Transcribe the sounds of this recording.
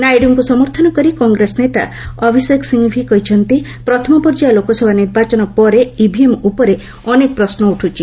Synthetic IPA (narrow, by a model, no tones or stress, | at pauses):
najɖuŋkusɔmɔɾt̪ʰɔnɔkɔɾikɔŋɡɾesnet̪a̰ | ɔbʱiseksiŋbʱikɔɦit͡ʃʰɔnt̪i | pɾɔt̪ʰɔmɔpɔɾd͡ʒalokɔsʰɔbʱaniɾbat͡ʃɔnɔpɔɾeibʱiemupɔɾe | ɔnek̚pɾɔsnɔuʈʰut͡ʃʰi